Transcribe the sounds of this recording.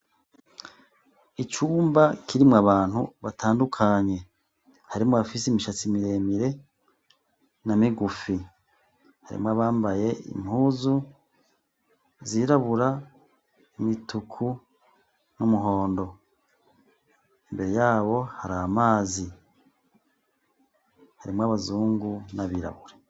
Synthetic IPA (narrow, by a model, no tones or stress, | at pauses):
it͡ʃuːmbakʰiɾimŋaβaːn̥hṵβatʰaːndukʰaɲe̞ | haɾimŋoafisemiʃat͡simiɾe̞ːmiɾe̞ | namiɡufi | ha̰ɾḭmŋoaβaːmbaje̞ḭmhuːzu | ziɾaβuɾa | mitukʰu | numuɦo̞ːndo̞ | imbe̞ɾejaːβo̞haɾamaːzi | haɾimŋoaβazuːŋɡunaβiːɾa̰βuɾe